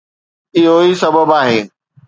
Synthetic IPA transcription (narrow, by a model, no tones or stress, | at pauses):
ɪɦoisɐbəbaːɦẽː